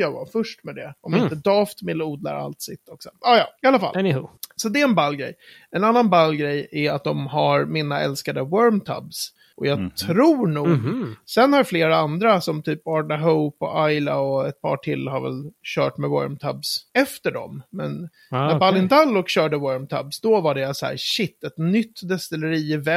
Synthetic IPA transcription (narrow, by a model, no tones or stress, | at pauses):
jɑːva̰fœʂʈmɛd̪ɛʔɔmɪnt̪əd̪ɑːft̪mɪlːuːd̪la̰ɾa̰lt̪sɪt̪ʰːɔksɔɑːjɑːɪalafa̰lsɔd̪ɛɛnbalːɡɾɛ̰j | ɛnanːanbalːɡɾɛjæɾat̪̚d̪ɔmɦaɾmɪnaɛ̰lskad̪əwœɾmt̪ʰa̰bs | ʔɔjɑːt̪ʰɾuːɳuːɡsɛnhaɾfleːɾaand̪ɾasɔmt̪ʰyːpɑɖaɦoʊpɔ̰ʔajlaɔɛt̪̚pʰɑ̰ːʈʰɪlːhaɾvɛ̰lɕœːʈmɛwœ̰ɾmt̪ʰabsɛft̪əɖɔ̰mːɛn | æɾbalɪnd̪alːɔkɕœːɖəwœɾmt̪ʰa̰bsd̪ɔvaɖɛsɔæ̰ːɾɕɪt̪ːɛt̪nʏt̪ːd̪ɛst̪ɪləɾiːvɛ